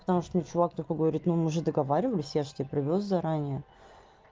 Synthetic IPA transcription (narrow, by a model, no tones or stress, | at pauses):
pət̪ɐmuʂt̪onʲɪt͡ɕʊvak̚t̪olʲkəɡəvɐɾʲit̪numɨʐɨd̪əɡɐvaɾʲɪvəlʲɪsʲjaʐɨ̥t̪ʲepɾʲɪvʲos̬zɐɾanʲɪjə